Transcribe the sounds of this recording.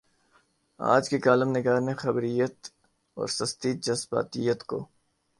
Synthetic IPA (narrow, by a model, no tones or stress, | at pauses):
a̰ːd͡ʒkikaːlɪmnɪɡaːɾnexɐbɾijət̪ | ɔ̰ːɾsɐst̪id͡ʒɐsba̰ːt̪ijət̪ko̰ː